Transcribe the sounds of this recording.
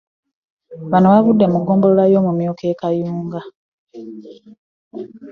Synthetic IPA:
βanoβaβudːe̞muɡo̞ːmbololajo̞ːmumjoːke̞ːkajuːŋɡa

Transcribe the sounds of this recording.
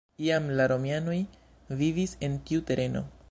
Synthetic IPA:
iamlaɾo̞miano̞j | vivise̞ntiute̞ɾe̞no̞̰

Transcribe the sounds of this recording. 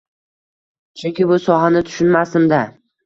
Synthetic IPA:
t͡ʃʰʊŋkʲɪbʊsɒɦanɪt̪ʰʊ̥ʃʊnmasɪmd̪a

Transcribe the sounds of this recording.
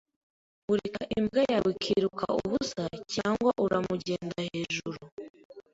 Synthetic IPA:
uɾekaʔimbɡejaβikʰiɾuka̰ʔuβusacaːŋɡwaʔuɾamuɟe̞ːndahe̞ːʒuɾu

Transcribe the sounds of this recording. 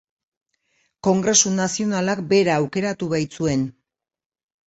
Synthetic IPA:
ko̞ŋɡɾe̞sunasio̞nalakbe̞ɾaːwke̞ɾat̪uβajt͡sue̞n

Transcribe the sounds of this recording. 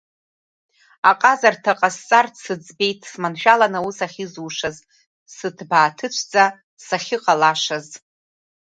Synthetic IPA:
aqʼazartʰaqʼast͡sʼarʰsɨd͡zbe̞jtʰsmanʃᶣalanausaχʲizuːʂaz | sɨtʰbaːtʰɨt͡ʃʷʰd͡za | saχʲɪqʼalaʂaz

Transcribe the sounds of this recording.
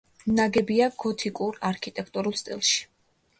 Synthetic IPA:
naɡɛbiaɡ̥ɔt̪ʰikʼuɾaɾkʰit̪ʼɛkʰt̪ʼuɾulˠst̪ʼḭlˠʃi̥

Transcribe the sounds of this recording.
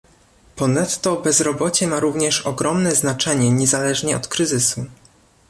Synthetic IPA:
pɔnat̪ːɔbɛzɾɔbɔt͡ɕɛmaɾuvɲɛʂɔɡɾɔmnɛznat͡ʂɛɲɛɲɛzalɛʐɲɛɔ̰t̪kɾɘzɘsu

